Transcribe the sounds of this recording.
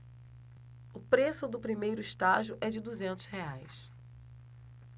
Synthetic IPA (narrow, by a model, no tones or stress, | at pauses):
ʊpɾesʊd̪ʊpɾimejɾʊiʃt̪aʒiʊʔɛd͡ʒɪd̪uzẽnt̪ʊzheajs